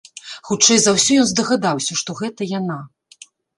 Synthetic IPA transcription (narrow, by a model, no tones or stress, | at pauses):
xut͡ʂɛjzawsʲɔjɔnzd̪ɐɣad̪awsʲɐʂt̪ɔɣɛt̪ɐjana